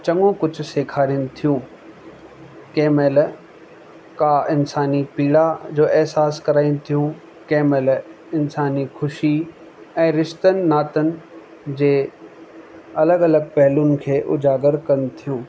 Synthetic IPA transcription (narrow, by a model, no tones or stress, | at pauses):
t͡ɕɐ̃ŋɡõkʊd͡ʑʰʱseːkʰaːɾinɪ̆t̪ʰijũː | keːmeːl | kaɪnsaːnipiːɽad͡ʑoːʔɛɦsaːskɐɾaːinɪ̆t̪ʰijũ | keːmel | ɪnsaːnixʊʃi | ɛ̃ːɾɪʃt̪ənɪ̆naːt̪ənɪ̆ | d͡ʑeː | ɐləɡɐləɡ̚pɛɦlʊnɪ̆kʰeːʔʊ̰d͡ʑaːɡəɾkɐnɪ̆t̪ʰijũː